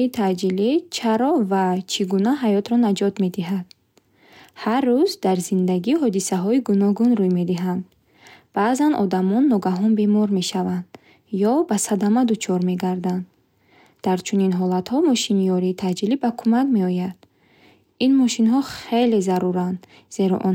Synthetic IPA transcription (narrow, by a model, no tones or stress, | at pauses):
it̪ʰad͡ʒilit͡ʃʰaɾɔvat͡ʃʰiɡunaɦajɔt̪ɾɔnad͡ʒɔt̪me̞d̪iɦad̪̥ | harːuzd̪aɾzind̪aɡihɔd̪isaɦɔiɡunɔɡunɾujme̞d̪iɦand̪ | b̥azanɔd̪amɔnːɔɡaɦɔnbe̞mɔɾme̞ʃavand̪̥ | jɔbasad̪amad̪ut͡ʃʰɔɾme̞ɡaɾd̪and̪ | d̪̥aɾt͡ʃʰuninɦɔlat̪hɔmɔʃinijɔɾiːt̪ʰad͡ʒilibakʰumakme̞ɔjad̪̥ | inmɔʃinɦɔχe̞le̞zaɾuɾand̪ | z̥e̞ɾɔ̰ʔɔn